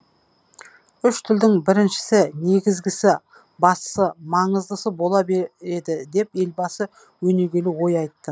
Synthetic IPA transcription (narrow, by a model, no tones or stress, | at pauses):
ʏʃt̪ʰɪld̪ɪŋbɪɾɪnʃɪ̥sɪne̞ɡʲɪzɡʲɪsɪ | bɑssəmɑɴəzd̪əsəbo̞lˠɑbee̞d̪ɪd̪e̞pe̞lbɑsə | wɵne̞ɡʲe̞lɪwo̞jɑjt̪ːə